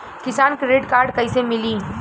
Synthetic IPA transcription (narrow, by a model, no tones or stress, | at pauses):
kɪsaːnkɾeːʈkaːɾɖkɐisemɪliː